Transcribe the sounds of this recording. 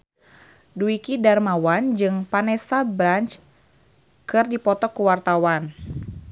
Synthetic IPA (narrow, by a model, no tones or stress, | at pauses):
duikidarmawand͡ʒɨŋpanɛsabɾant͡ʃ | kɨrdipɔt̪ɔkuwart̪awan